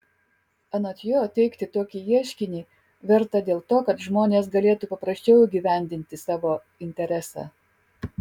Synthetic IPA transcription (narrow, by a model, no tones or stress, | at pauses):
ɐnɐt̪ʲjoːt̪ʲɛɪkt̪ʲɪt̪oːkʲiːiɛʃʲkʲɪnʲiː | ʋʲɛɾt̪ɐd̪ʲeːlˠt̪oːkɐt̪ʒmoːnʲeːs̬ɡɐlʲeːt̪upɐpɾɐsʲt͡ʃʲɛʊiɡʲiːʋʲæˑnʲd̪ʲɪnʲt̪ʲɪsɑːʋoː | ɪnʲt̪ʲɛɾʲæsɑ̰